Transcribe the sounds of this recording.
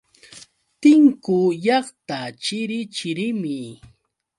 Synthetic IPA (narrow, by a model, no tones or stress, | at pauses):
t̪ɪŋkʊjɑχt̪at͡ʃɪɾɪt͡ʃɪɾɪmɪ